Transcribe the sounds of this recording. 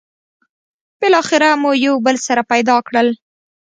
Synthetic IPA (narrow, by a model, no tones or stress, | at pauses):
b̥ɪlɑxɪɾamujawbəlsaɾapajd̪ɑkɽəl